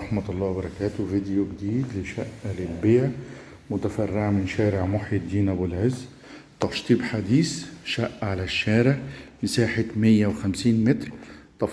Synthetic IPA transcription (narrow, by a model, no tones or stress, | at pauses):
ɑħmat̪ɑlˤːɑːbɑɾˤɑkæːt̪ʊvid̪ɪjoɡd̪iːd̪lɪʃæʔːlɪlbeːʕ | mʊt̪afarːɪʕmɪnʃæːɾɪʕmʊħjɪd̪iːnæbʊlʕɪzː | t̪ˤɑʃt̪ˤiːbħad̪iːsʃaʔːʕalæʃːæːɾɪʕmɪsaːħɪt̪mɪjːawxamsiːnmɪt̪ɾˤt̪ˤɑf